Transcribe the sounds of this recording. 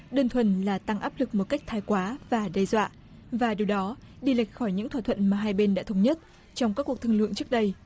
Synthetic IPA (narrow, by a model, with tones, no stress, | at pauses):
ɗəː˧nt̪ʰwə˨˩˨nlaː˨˩t̪a˧ŋʔaː˦˥p̚lɨ˨˩k̚mo˨˩t̚ka˦˥jk̟̚t̪ʰaː˧jkwaː˨˦vaː˨˩ɗe˧jzwa̰ː˧˨ʔ | vaː˨˩ɗi˨˩əwɗɔ˨˦ | ɗi˧la˨˩jk̟̚xɔ˧˩jɲɨ̰˧˥ŋʰwa˧t̪ʰə̰˧˨nmaː˨˩ɦaː˧jɓe˧nɗa̰ː˧˥t̪ʰwŋ͡mɲə˦˥t̚ | t͡ɕɔ˧wŋ͡mkaː˦˥kːu˨˩ək̚t̪ʰŋlɨ̰˧˨əŋt͡ɕɨ˦˥ək̚ɗə˧j